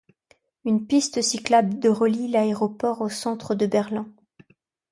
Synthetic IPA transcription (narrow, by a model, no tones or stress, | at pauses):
ynpist̪əsiklabd̪əʁəlilaeʁɔpɔʁosɑ̃t̪χəd̪əbɛʁlɛ̃